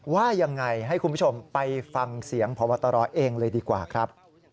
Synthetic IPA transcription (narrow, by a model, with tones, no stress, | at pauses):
waː˥˩ja˧ŋːa˧jɦa˥˩jkʰu˧npʰo˧mpa˧jfa˧ŋsi˩˦əŋpʰɔː˨˦wa˧t̪ːa˧ɾɔː˧˩ʔeː˧ŋlɤː˧jdiː˧kwa̰ː˨˩kʰɾa˦˥p̚